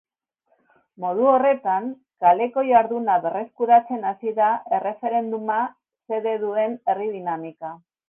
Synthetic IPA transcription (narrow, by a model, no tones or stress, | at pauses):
mo̞ð̞uo̞re̞t̪aŋ | kale̞ko̞jaɾðunaβe̞re̞skuɾat͡se̞nasiðae̞re̞fe̞ɾe̞nd̪uma | se̞ðe̞ðue̞ne̞rið̞inamika